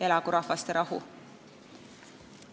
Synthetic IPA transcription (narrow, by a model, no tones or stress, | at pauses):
e̞lɑkuɾɑhvɑst̪eɾʔɑɦṵ